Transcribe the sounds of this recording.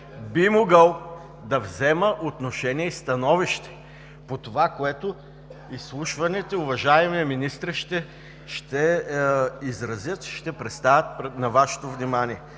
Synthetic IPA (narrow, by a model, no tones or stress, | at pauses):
bimoɡəlˠ | d̪ɐvzɛməʔot̪noʃɛniɛist̪ɐnɔviʃt̪ɛ̥ | pot̪ovakoɛt̪o | islˠuʃvɐnɛt̪ɛʊvɐʒaɛmiɛminist̪ɾəʃt̪ɛ | ʃt̪ɛ | izɾɐzʲjət̪ʃt̪ɛpɾɛt̪st̪avʲət̪̚pɾnɐvaʃɛ̥t̪ovnʲimaniɛ